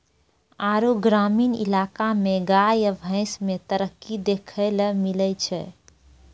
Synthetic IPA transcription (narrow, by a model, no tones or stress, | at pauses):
aɾuɡɾaːmiːnḭlakameɡajəbʱə̃ɪ̃smet̪əɾəkːid̪ekʰələmilət͡ʃʰɛ̰